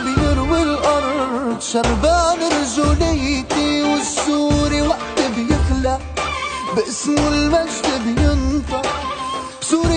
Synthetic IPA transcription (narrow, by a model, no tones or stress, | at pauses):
bjɪɾwɪlʔɑɾˤd̪ʃɑɾˤbaːnɪɾʒʊlɪjt̪iwɪsːuːɾiwaʔt̪ɪbjɪxla | bʔɪsmɪlmaʒd̪abjʊnt̪ɑ | bsuːɾi